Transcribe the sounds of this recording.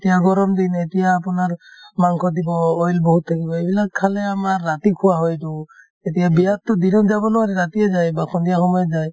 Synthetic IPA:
tijaɡɔɾɔmd̪inetijaːpunaɹmaŋkʰɔd̪ibɔɔjlbɔɦut̪ʰːakibɔebilakkʰːalɛamaɹːat̪ikʰuwaɦɔjtu | etijabijatːʊd̪inɔd͡ʒabɔnuwaɾɛɾat̪iɛzajbakʰɔndijaxɔmɔjɔzaj

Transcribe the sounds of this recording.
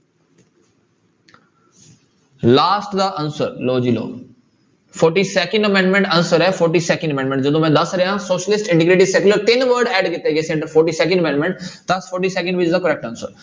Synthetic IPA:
laːsʈd̪aːʔɐnsəɾloːd͡ʑiːlo̰ː | foːɾʈiːseːkə̃ɳɖɐmẽɳɖmẽɳʈɐnsəɾɛfoːɾʈiːseːkə̃ɳɖəmẽːɳɖmẽɳʈd͡ʒɐd̪õmɛ̃ːd̪ɐsɾɐjãsoːʃəlɪsʈɪ̃ɳʈɪɡɾeːʈisekʊləɾt̪ɪnʋəɾɖɛːɖkɪt̪eɡesẽɳʈəɾfɔːɾʈiːseːkə̃ɳɖəmẽɳɖmẽɳʈt̪asfoːɾʈiːseːkə̃ɳɖʋɪt͡ʃɪzd̪akəɾɛk̚ʈɐnsəɾ

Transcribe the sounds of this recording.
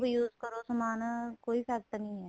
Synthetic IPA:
bjuːzkɐɾosɐmaːnakoːipʰɛːk̚t̪nɐɦĩɦɛː

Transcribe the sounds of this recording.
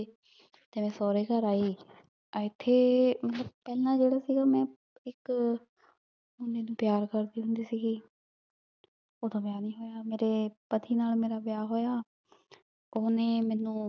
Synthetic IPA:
t̪eːmɛ̃ːsɔːɾeːkəɾaːiː | əɪt̪ʰːeːmət̪ləb̚pɛːlãːd͡ʒeːɽaːsiːɡaːmɛ̃ː | ɪk | ʊneːnũːpjaːɾkəɾd̪iːɦʊ̃nd̪iːsiːɡiː | oːd̪ãːbɪjaːnĩːɦoːjaːmeːɾeːpət̪ʰiːnaːlmeːɾaːbɪjaːɦoːjaː | oːnẽːmɛ̃ːnũː

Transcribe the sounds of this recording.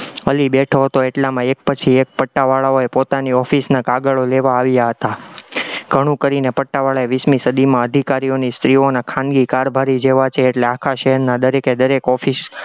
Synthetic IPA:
əlibɛʈʰoɦət̪oeʈlamãek̚pət͡ʃʰiek̚pəʈːaʋaɭaoepot̪aniɔfisnakaɡəɭoleʋaːʋjaɦət̪a | ɡʱəɽ̃ũkəɾinepəʈːaʋaɭaeʋismisəd̪ʱimãəd̪ʱikaɾionist̪ɾionakʰãnɡikaɾbʱaɾid͡ʒeʋat͡ʃʰeːʈleakʰaʃəɦɛɾnad̪əɾeked̪əɾekɔfis

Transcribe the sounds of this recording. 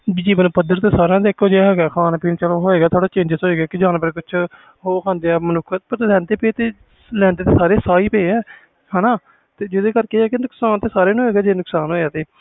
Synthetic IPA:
d͡ʒiːbənũːpəd̪əɾt̪eːsaːɾãːd̪eːkoːd͡ʒeaɦɛːɡaːkʰaːnpiːnt͡ʃəloːɦoːeːɡaːt̪ʰoːɽaːt͡ʃẽːɲd͡ʒsoːeːɡaːkɪd͡ʒãːnpɾkʊt͡ʃʰ | ɦoːkʰãːnd̪eːɛːmənʊkʰpəɾlɛ̃ːnd̪eːpeːt̪eː | lɛ̃ːnd̪eːt̪eːsaːɾeːsaːiːpeːɛː | hɛːnaː | t̪eːd͡ʒɪd̪eːkəɾkeːɛːkɪnʊksaːnt̪eːsaːɾeːnũːeːɡaːd͡ʒeːnʊksaːnɦoːaːt̪eː

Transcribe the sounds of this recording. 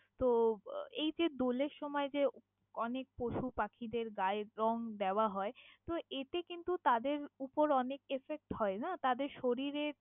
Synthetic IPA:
t̪oejd͡ʑed̪oleɾʃɔmɔed͡ʑe | ɔnek̚poʃupakʰid̪eɾɡaeɾɔŋd̪ɛoaɦɔet̪oʔeʈekint̪ut̪ad̪eɾupoɾɔnekefek̚ʈɦɔenat̪ad̪eɾʃoɾiɾeɾ

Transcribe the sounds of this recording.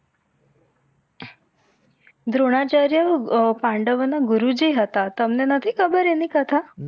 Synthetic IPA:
d̪ɾoɽ̃at͡ɕaɾjəpaɳɖəʋənaɡuɾud͡ʑiːɦət̪at̪əmnenət̪ʰiːkʰəbəɾenikət̪ʰa

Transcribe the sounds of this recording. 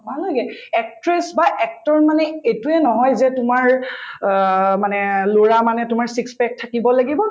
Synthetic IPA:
bʱalɔjɡɛɛk̚tɹɛsbaʔɛk̚tɔɹmanɛejtuɛnɔɦɔjzɛtʊmaɹ | manɛloɹamanɛtʊmaɹsikspɛk̚tʰakibɔlaɡibɔ

